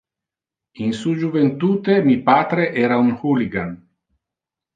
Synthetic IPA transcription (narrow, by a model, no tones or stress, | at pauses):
insud͡ʒuvent̪uːt̪emipaːt̪ɾeʔɛːɾauŋhuliɡan